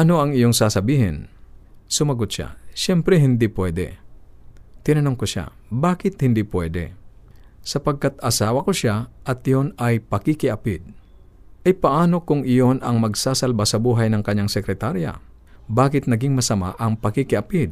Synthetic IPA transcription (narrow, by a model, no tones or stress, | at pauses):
ʔɐno̞ɐŋɪjoŋsaːsɐbiːhɪ̰nsʊmɐɡot̪̚ʃa̰ʃɛmpɾɛɦɪnd̪ipwɛd̪ɛ̰ | t̪ɪnɐnoŋkoʃa̰baːkɪt̪̚hɪnd̪ipwɛːd̪ɛ̰ | sɐpɐɡ̚kat̪ɐsaːwɐkoʃaʔɐt̪ɪjonɐjpɐkɪkɪʔɐpɪd̪̚ | ʔɐjpɐʔaːno̞kʊŋʔɪjo̞nɐŋmɐɡsasɐlbasɐbuːɦɐjnɐŋkɐɲːaŋsɛkɾɛt̪aɾja̰ | baːkɪt̪̚nɐɡɪŋmɐsɐma̰ʔɐŋpɐkɪkɪʔɐpɪd̪̚